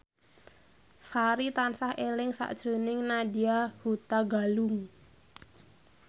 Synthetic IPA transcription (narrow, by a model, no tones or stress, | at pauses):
saɾit̪ansahelɪŋsa̰ʔd̥ʒ̥ɾo̤nɪŋnadiahut̪aɡalʊŋ